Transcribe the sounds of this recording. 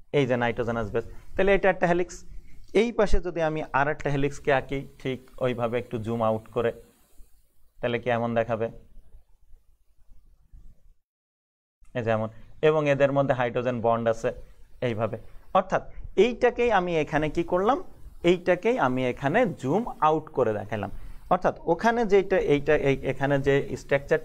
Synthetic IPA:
ejd͡ʑenajɖozenazbest̪aleejʈaekʈːaɦeliksejpaʃed͡ʑod̪iamiʔaɾek̚ʈaɦelikskeakeʈʰikojbʱabeek̚ʈud͡ʑumawʈkoɾe | t̪alekiɛmond̪ɛkʰabe | ed͡ʑɛmoneβoŋed̪eɾmod̪ʱːeɦajɖɾod͡ʑenbɔɳɖaseejbʱabeɔɾt̪ʰat̪ejʈakejamiekʰanekikoɾlamejʈakejamiekʰaned͡ʑumawʈkoɾed̪ɛ̰kʰajla̰mɔɾt̪ʰat̪okʰaned͡ʑejʈaejʈaʔejekʰaned͡ʑeḭsʈek̚t͡ɕɛʈ

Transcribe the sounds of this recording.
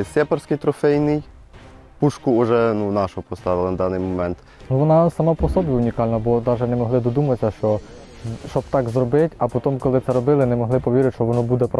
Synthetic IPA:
sʲɛpɐɾsʲkɪjt̪ɾɔfɛjnɪj | puʃkʊɔʒɛnunɑʃɔɔpɔst̪ɑʋɪlˠɐnɐd̪ɑnɪjmɔmɛnt̪ | nuʋɔnɑsɐmapɔsɔbʲjiʊnʲikɑlʲnɐbɔd̪ɑʒɛnɛmɔɦlˠɪd̪ɔd̪umɐsʲɐʃt͡ʃɔ | ʃt͡ʃɔbt̪ɑkzɾɔbɪtʲɐpɔt̪ɔmkɔlˠɪt̪sɛɾɔbɪlˠɪnɛmɔɦlˠɪpɔʋʲiɾʲɪtʲʃt͡ʃɔʋɔnɔbud̪ɛpɾ

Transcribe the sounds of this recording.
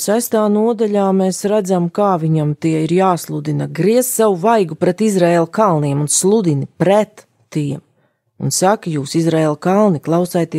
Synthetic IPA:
sajst̪aːnuɔd̪aʎʲaːmeːsɾad̪zamkaːviɲamt̪iɛiɾjaːslˠud̪inaɡɾiɛssavuvajɡupɾɛt̪izɾɛelˠkalˠniɛmunslˠud̪inipɾɛt̪ː | iɛm | ṵnsakjuːsizɾɛɛlˠkalˠniklˠɑwsajt̪iɛ

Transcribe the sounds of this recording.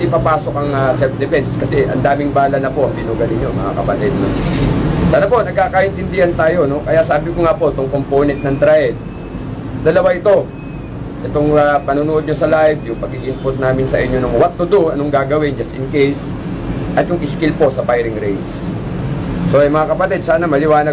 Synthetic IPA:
d̪ɪpapaːso̞kɐŋɐsɛlfd̪ɪfɛnskɐsɛʔɐ̰nd̪aːmɪŋbaːlɐnɐpo̞ʔɐŋbɪnuːɡɐlɪɲːoŋmɐŋa̰kɐ̰pɐt̪ɛd̪̚no̰ | saːnɐpo̞nɐɡ̚kakɐʔɪnt̪ɪnd̪ɪhant̪aːjo̞no̞kɐjaʔsaːbɪkoŋapo̞ʔt̪oŋkompoːnɛnt̪̚nɐŋt̪ɾaʔɛd̪̚ | d̪ɐlɐwaʔɪt̪o̞ | ʔɛt̪o̞ŋɐpɐnuːnʊʔo̞d̪̚ɲosɐlajvjʊŋpɐɡ̚iʔɪnpʊt̪̚naːmɪnsɐʔɪɲːo̞nʊŋwɐt̪ːʊd̪uɐno̞ŋɡaɡɐwɪnd͡ʒɐst̪ɪnkejs | ʔɐt̪jʊŋʔɪskɪlpo̞sɐpajɾɪŋɾɛjd̪s | so̞ʔɐjmɐŋakɐpɐt̪ɪd̪̚saːnɐmɐlɪwaːnɐ

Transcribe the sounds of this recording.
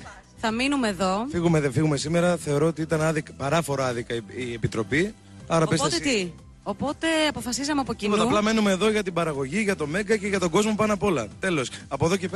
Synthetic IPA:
θɐminumeðo̞fiɣumeðefiɣume̞sime̞ɾɐθe̞o̞ɾo̞ot̪iit̪ɐnɐðikɐpɐɾɐfo̞ɾɐɐðikɐiiepit̪ɾo̞pi | ɐɾɐpest̪estt̪i | opo̞t̪e̞ɐpo̞fɐsizɐmeɐpo̞ciot̪ɐplɐme̞nume̞ːðo̞ʝɐt̪ibɐɾɐɣo̞ʝiʝɐt̪o̞me̞ɡɐceʝɐt̪o̞ɡo̞zmo̞pɐnoɐpolɐt̪e̞lo̞sɐpo̞ðoce

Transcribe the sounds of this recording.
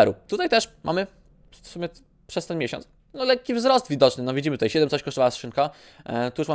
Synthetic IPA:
ɛɾṵt̪ut̪ajt̪ɛʂmʔa̰mɘ | fsumjɛ | pʂɛst̪ɛnmʲjeɕɔ̰nt̪s | nɔlɛkʲːivzɾɔst̪vʲid̪ɔt͡ʂnɘnɔvʲid͡ʑimɘt̪ut̪ajɕɛd̪ɛmt̪sɔɕʲkɔʂt̪vawasʂɘnka | t̪ujuʂma

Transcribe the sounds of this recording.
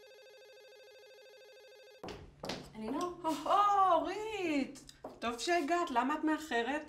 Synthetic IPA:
aninoooʁit̪to̞vʃeaɡat̪lamaːt̪meaχe̞ʁe̞t

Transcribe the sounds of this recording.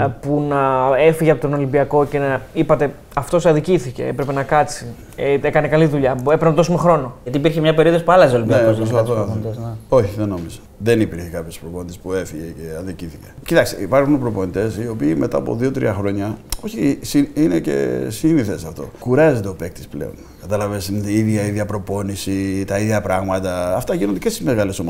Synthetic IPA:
punɐe̞fiʝeɐpot̪ono̞limbiɐko̞ce̞nɐipɐt̪e̞ | ɐft̪o̞sɐðiciθice̞̰epɾe̞pe̞nɐkɐt͡si | ekɐne̞kɐliðuʎɐe̞pɾnɐðosume̞xɾo̞no̞ɐt̪ipiɾçemɲɐpeɾioðospuɐlɐsolimbinɐeosðonit̪eo̞çiðeno̞mizɐ̥ | ðenipiɾçekɐpçospɾoponit̪espue̞fiʝeceɐðiciθice̥cit̪ɐksḭipɐɾxunpɾo̞po̞nit̪e̞sio̞piːmʔe̞t̪ɐːpo̞̰ðio̞t̪ɾḭɐxɾo̞ɲɐo̞çisiine̞ce̞̰siniθesɐft̪o̞̰kuɾɐzet̪eopek̚t̪i̥splḛo̞n | kɐt̪ɐlɐvesnt̪iiðʝɐiðʝɐpɾo̞po̞nisit̪ɐiðʝɐpɾɐɣmɐt̪ɐːft̪ɐʝinod̪ecest̪izmeɣɐle̞somo

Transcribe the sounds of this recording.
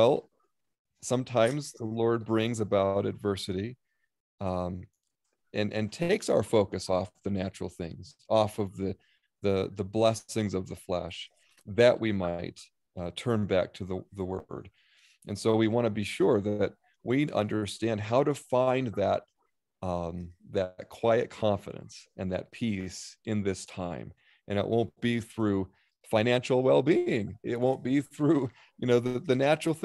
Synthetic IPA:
wɛlˠ | sʌ̃mtʰãɪ̃mzðəlɔɹd̚bɹɪ̃ŋzɨbaʊɾɨ̰dvɜ˞sɨɾi | ɨ̃nʔɨ̃ntʰeɪksaʊə˞foʊkɨsɔfðɨnæt͡ʃɹ̥l̩ˠθɪ̰̃ŋz̥ɔfʌvðɨ | ðɨðəblɛsɪ̃ŋzʌvðəflɛ̰ʃ | ðɨʔwʔimaɪt̚ | tʰɜ̃˞nbæ̰k̚tʰɨðəðəwɜ̰˞d | ɨ̃nsoʊwiwɑ̃ɾ̃ɨbiʃʊɹðɨt̚ | wiʌ̰̃ndə˞stæ̃nd̚ɦaʊɾɨfãɪ̃nðət̪̚ | ðɨt̚kʰw̥aɪɨ̰t̚kʰɑ̃ɱfɨ̰ɾɨ̰̃nsʔɨ̃nðɨ̰t̚pʰisɨ̃nðɪstʰãɪ̃m | ʔɨ̃ñɨ̰ʔwʔõʊ̃nb̥iθɹʉ | fãɪ̃næ̃nʃl̩ˠwɛlˠbiɪ̃ŋɪ̰t̚wõʊ̃nb̥iθɹʉ | jɨnoʊðɨðɨnæt͡ʃɹl̩ˠθ

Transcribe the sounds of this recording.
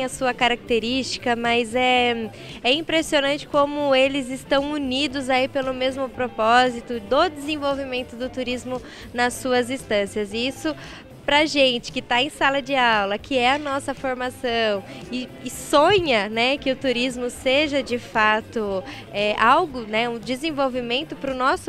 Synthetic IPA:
eẽj̃ɐsuɐkaɾak̚t̪eɾist͡ʃi̥kɐmɐzɛ | ɛĩpɾesionɐ̃nt͡ʃɪ̥kõmʊelɪzɪst̪ɐ̃w̃unid̪ʊzaipelʊmezmʊpɾopɔzit̪ʊd̪ʊd̪ɪzẽvowvimẽnt̪ʊd̪ʊt̪uɾizmʊ | nɐsuɐzĩst̪ɐ̃siɐzɪisʊ | pɾɐʒẽnt͡ʃɪ̥kɪt̪aẽj̃salɐd͡ʒɪawlɐkʰɪɛɐnɔsɐfoɾmasɐ̃w̃ɪɪsõɲɐnɛkɪʊt̪uɾizmʊseʒɐd͡ʒɪfat̪ʊ | ɛʔawɡʊnɛũd͡ʒɪzẽvowvimẽnt̪ʊpɾʊnɔsʊ

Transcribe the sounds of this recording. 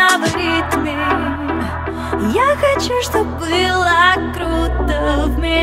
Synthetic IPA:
əvɐɾʲit̪mʲe | jaxɐt͡ɕuʂt̪obːɨlˠəkɾut̪əvmʲɪ

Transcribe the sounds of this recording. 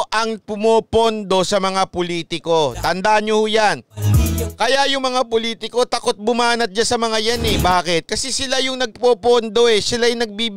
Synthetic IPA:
ʔɐŋpʊmoːpond̪o̞sɐmɐŋapoliːt̪ɪko̞t̪ɐnd̪aʔɲohojan | kɐjajʊŋmɐŋapoliːt̪ɪko̞t̪ɐko̞t̪̚bʊmaːnɐt̪̚d͡ʒasɐmɐŋajanɛbaːkɪt̪̚kɐsɛsɪlajʊŋnɐɡ̚popond̪o̞ʔɛsɪlajnɐɡ̚biːb

